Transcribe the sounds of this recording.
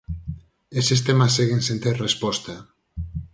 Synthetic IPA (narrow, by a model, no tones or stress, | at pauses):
esest̪emaseɣensent̪eɾrespɔst̪a